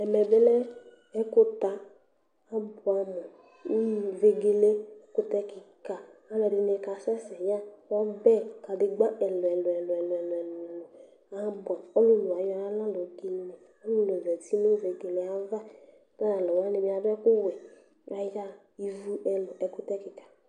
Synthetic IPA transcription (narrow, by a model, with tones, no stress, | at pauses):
ɛ˨mɛ˨be˦lɛ˦ | ɛ˦kʊ˦t̪a˨ | a˦bʊ˨a˨mɔ˨˦ | ve˨ɡe˨le˦kʊ˦t̪ɛ˧ki˨ka˨a˦lɔ˨dɪ˧˦ne˧ka˧˦sɛ˦sɛ˨ja˦wa˦bɛ˦ka˨dɪ˨ɡ͡ba˦ɛ˨lɔ˨ɛ˨lɔ˨ɛ˨lɛ˨lɔ˨ɛ˨lɔ˨ɛ˨lʊ˨lʊ˨ | a˨˦bʊ˨a˨ɔ˦lʊ˦lʊ˨a˨jɔ˧˦a˦la˦lo˨ɡi˨ne˨ | ɔ˦lʊ˦lɛ˨vɛ˨ti˦no˦ve˨ɡe˨le˨a˦va˦ | da˦na˨lɔ˨wa˦ne˨bi˨˦a˨˦bɛ˦kʊ˦wɛ˨ | a˨ja˦ | i˨vu˦ɛ˧lʊ˨ʔɛ˨kʊ˦tɛ˦kɪ˨ka˨